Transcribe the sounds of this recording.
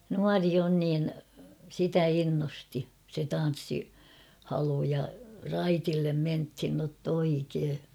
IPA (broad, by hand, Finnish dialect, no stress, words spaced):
nuɑri on niːn sitæ inːosti se tɑn̞sːihɑlu jɑ rɑitilːem menthin notː oikeː